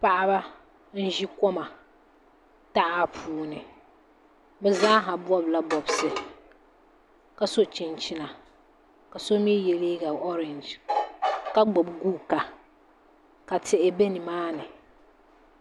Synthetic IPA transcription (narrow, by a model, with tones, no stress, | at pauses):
pa˦ʔa˦ba˦ | n̩˦ʒi˦kɔ˦ma˨ | ta˦ʔa˦pʰuː˨˦nɨ˨ | bɛ˦zaː˦ɦa˨bɔ˦bla˦bɔ˨bsɨ˨ | ka˨so˦t͡ʃɪ˨nt͡ʃɪ˦na˨ | ka˨so˦mi˦jɛ˨li˦ɡa˨ɔ˦ɾɛ˨nd͡ʒ | ka˦ɡ͡bo˨bɡuː˦ka˨ | ka˨tʰɪ˦˨ʔɪ˦be˦nɪ˨maː˦nɪ˨